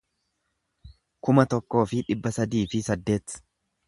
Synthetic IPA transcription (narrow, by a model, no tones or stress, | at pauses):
kʊmɐt̪ɔkːo̞ːfɪᶑɪbːɐsɐd̪iːfɪsɐd̪ːe̞ːt̪